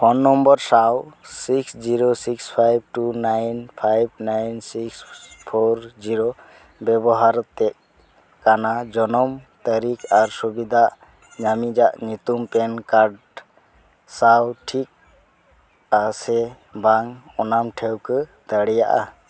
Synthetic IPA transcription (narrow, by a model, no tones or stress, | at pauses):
pʰɔnːɔmbɔɾsawsiksd͡ʒiɾɔsikspʰajb̚ʈunajnpʰajb̚najnsikspʰɔɾd͡ʒiɾo | bɛbɔɦaɾt̪ɛʔ | kanad͡ʒɔnɔmt̪əɾikaɾsubid̪ʱaʔ | ɲamid͡ʒaʔɲut̪umpɛnkaɾɖ | sawʈʰik̚ | asɛ | baŋ | ɔnamʈʰɛwkət̪əɽɛjaʔa̰